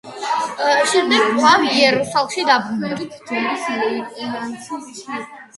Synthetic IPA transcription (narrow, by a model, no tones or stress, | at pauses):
ʃɛmd̪ɛɡaviɛɾusalˠmʃid̪abɾumʰɛbt̪